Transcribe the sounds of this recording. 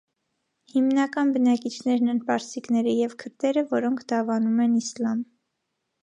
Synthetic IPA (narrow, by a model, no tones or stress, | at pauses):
himnɑkɑnbənɑkit͡ʃʰnɛɾnɛnpɑɾsiknɛɾijɛvkʰəɾt̪ɛɾəvɔɾɔŋkʰd̪ɑvɑnumɛnislɑm